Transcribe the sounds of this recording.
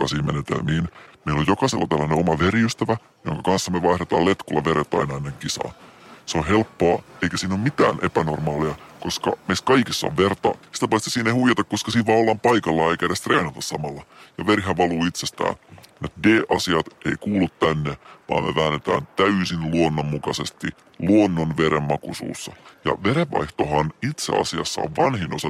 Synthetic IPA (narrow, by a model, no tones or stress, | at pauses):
kɑsiːmenet̪ḛlmiːnmeilojjokɑselːɑt̪ælːæneomɑʋeriyst̪æʋæ | jo̰ŋkɑkɑnsːɑmeʋɑihɾet̪ɑ̰ːlet̪kulːɑʋeɾet̪ːˑɑ̰inɑenːeŋkisɑ̰ːseohelpːoɑːeikæsiːnomit̪æ̰ːnʔḛpænormɑːliɑkoskɑ̰meist̪̚kɑikisːɑ̰ʋʋert̪ɑɑsi̥t̪æpɑist̪e̥siːneihuijɑt̪ɑkkoskɑsiːnʋɑːolːɑmpɑikɑlːɑeikæɾæst̪reːnɑt̪ɑssɑmɑlːɑjɑʋerɦæʋɑluːit̪sest̪æ̰ːnet̪deːʔɑsiɑt̪eikuːlut̪t̪ænːeʋɑ̰ːmmḛʋæːnːet̪æ̰ːnt̪æysinluonːomːukɑsest̪i | luonːonʋeɾemmɑkusṵːsːɑjɑ̰ʋeɾeʋʋɑ̰iht̪ohɑnit̪sḛɑ̰siɑ̰sːɑ̰o̰ʋʋɑnhinːo̰sɑ